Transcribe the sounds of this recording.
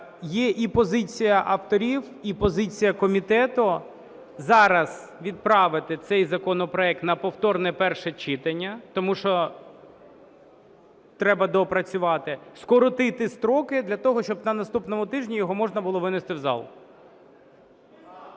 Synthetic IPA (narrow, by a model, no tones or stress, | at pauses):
jɛʔipɔzɪt͡sʲijɐʔɐft̪ɔɾʲiw | ipɔzɪt͡sʲijɐkɔmʲit̪ɛt̪ʊ | zɑɾɐzʋʲid̪̚pɾɑʋɪt̪ɪt̪sɛjzɐkɔnɔpɾɔɛk̚t̪nɐpɔwt̪ɔrnɛpɛrʃɛt͡ʃɪt̪ɐnʲːɐt̪ɔmuʃt͡ʃɔ | t̪ɾɛbɐd̪ɔpɾɐt͡sʲʊʋɑt̪ɪskɔɾɔt̪ɪt̪ɪst̪ɾɔkɪd̪lʲɐt̪ɔɦɔʃt͡ʃɔbnɐnɐst̪upnɔmʊt̪ɪʒnʲijɔɦɔmɔʐnɐbʊlˠɔʋɪnɪst̪ɪwzɑ̰lˠ